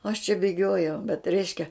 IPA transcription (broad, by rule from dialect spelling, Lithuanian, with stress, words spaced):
ɐʃ t͡ʃʲɛ bʲeːˈɡʲoːjɛʊ bʲɛt ˈrʲɛɪʃʲkʲɛ